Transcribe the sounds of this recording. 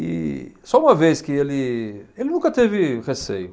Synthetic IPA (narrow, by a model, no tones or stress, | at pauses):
ɪ̰sɔũmɐveskɪelɪelɪnũkɐt̪evɪʁesḛjʊ